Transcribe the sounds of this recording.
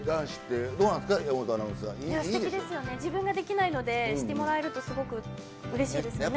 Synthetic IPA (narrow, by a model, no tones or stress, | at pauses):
d̪ãɰ̃ɕi̥t̪ːed̪oːnãnsɨ̥kajamot̪anãsã̰iiekid̪esɨjo̞ne̞d͡ʑibɯ̟̃ŋɡad̪e̞kʲinaino̞d̪e̞ɕit̪e̞mo̞ɾae̞ɾɯ̟t̪o̞sɨɡo̞kɯ̟ | ɯ̟ɾe̞ɕiːd̪e̞sɨjne